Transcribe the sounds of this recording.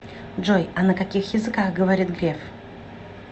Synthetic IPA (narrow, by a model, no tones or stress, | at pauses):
ʐojɐnəkɐkʲixjɪzɨkaxɡəvɐɾʲit̪ɡɾʲef